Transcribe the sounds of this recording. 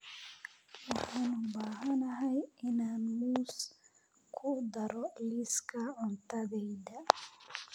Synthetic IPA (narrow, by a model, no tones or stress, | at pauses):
ɔhanubaːhanaɦajinanmus | kʰud̪aɾɔliskaɔnt̪aɡɛjda